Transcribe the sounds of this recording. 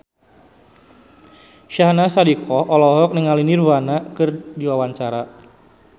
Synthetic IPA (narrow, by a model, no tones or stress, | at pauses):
ʃahnasadikɔhʔɔlɔɦɔk̚nəŋalinirvanakɨrdiwawaɲt͡ʃaɾa